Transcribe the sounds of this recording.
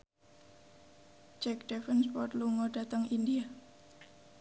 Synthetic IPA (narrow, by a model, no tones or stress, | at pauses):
t͡ʃɛk̚d̥ɛfənspɔt̪luŋoɖ̥a̤t̪əŋindia